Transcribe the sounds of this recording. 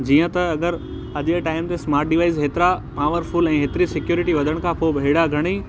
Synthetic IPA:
d͡ʑiːə̃t̪ɐɐɡəɾ | ɐʄeʈaːɪmt̪esmaːɾʈ̚ɖiʋaːɪzɦeːt̪ɪɾapaːʋəɾfʊlɛ̃ːɦeːt̪ɪɾisɪkjoːɾɪʈiʋɐd̪ʱəɽ̃kʰãpoːbɐeːɽaɡʱɐɽ̃i

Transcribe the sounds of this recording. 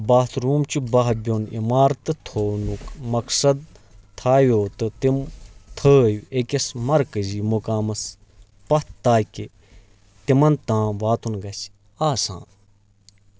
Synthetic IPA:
baːt̪ʰɾuːmt͡ʃubaɦbʲonḭmaːɾt̪ɨt̪ʰoːnukmɐksɐd̪̚ | t̪ʰaːʋjoːt̪ɨt̪imt̪ʰəːjuekʲɐsmɐɾkɐziːmukaːmɐs | pɐt̪t̪ːaːke | t̪imɐnt̪ãːʋaːt̪ʰunɡɐs | aːsã̰ː

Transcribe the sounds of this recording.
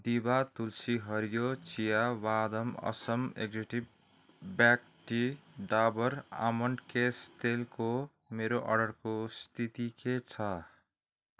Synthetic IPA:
d̪ibat̪ulsiɦʌɾjot͡sijabad̪ʌmʌ̰sʌmeɡd͡zeʈi | bak | ʈiɖabʌɾa̰mʌɳɖkest̪elko | meɾoʔʌ̰ɖʌɾkost̪ʰit̪iket͡sʰʌ

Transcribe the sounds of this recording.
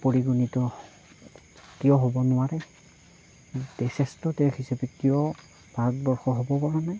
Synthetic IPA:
poɹiɡunitɔ | kijɔɦɔbɔnʊwaɹɛ | d̥ɛsʰɛstɔtɛhisapɛkijɔ | b̥ʱaɹɔtbɔɹxɔɦɔbɔpɔɹanaj

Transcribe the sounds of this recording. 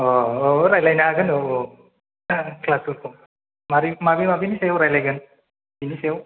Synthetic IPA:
ɔoɾajlajnaːɡɯno | klasuɾkʰo | maɾimabimabinisejwɾajlajɡɯn | binisejw

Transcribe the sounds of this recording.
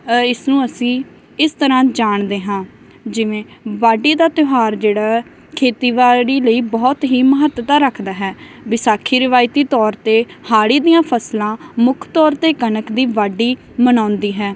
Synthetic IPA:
ɪsnũːəsĩː | ɪst̪əɾãːd͡ʒaːɳd̪eːɦãː | d͡ʒɪʋẽːʋaːɖiːd̪aːt̪ɪɦaːɾd͡ʒeːɽaː | kʰeːt̪iːʋaːɾiːləiːbɔːt̪ɦiːməɦət̪ːt̪aːɾəkʰd̪aːɦɛː | ʋɪsaːkʰiːɾɪʋaːɪt̪iːt̪ɔːɾt̪eːhaːɽiːd̪ijãːpʰəslãːmʊkʰt̪ɔːɾt̪eːkənəkd̪iːʋaːɖiː | mənãːnd̪iːɦɛː

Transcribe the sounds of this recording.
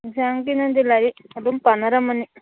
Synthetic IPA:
saŋkinɐnd̪ilaɾiɐd̪umpɐnɐɾɐmɐni

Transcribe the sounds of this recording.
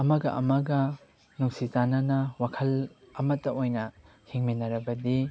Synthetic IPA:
ɐmɐɡɐʔɐmɐɡɐ | nuŋsizanɐnɐwakʰɐl | ɐmɐtːɐojnɐ | hiŋminɐɾɐbɐdi

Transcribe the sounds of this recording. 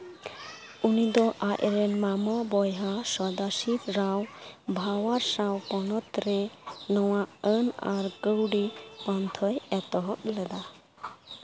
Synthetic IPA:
unid̪ɔʔaʔɾɛnmamɔbɔjɦasɔd̪asiɾɾawbʱawaɾsawpɔnɔt̪ɾɛnɔwaʔənaɾɡəwɖipant̪ʰɔjɛt̪ɔɦɔklɛd̪a

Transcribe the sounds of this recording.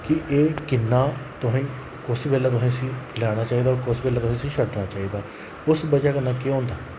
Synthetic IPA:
kɪʔeːkɪnːaːt̪ʊɦĩː | kʊsbɛːlaːt̪̬ʊsĩːsĩːlɛːɽ̃aːt͡ʃaːiːd̪aːkʊsbɛːlaːt̪ʊsĩːsĩːʃʰəʈnaːt͡ʃaːiːd̪aː | ʊsbəd͡ʒaːkənːãːkeõːnd̪aː

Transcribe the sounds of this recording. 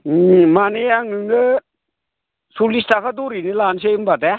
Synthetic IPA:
manejaŋɯnə | sulist̪akʰad̪uɾinelansembat̪ɛ

